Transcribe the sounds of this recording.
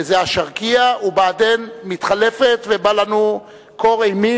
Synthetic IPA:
zeaʃaʁkiaubaːd̪enmit̪χalefet̪vebalanu | ko̞ʁejmi

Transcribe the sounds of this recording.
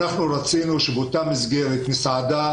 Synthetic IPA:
aχnuɾat͡sinuʃebot̪amizɡelet̪misʕad̪a

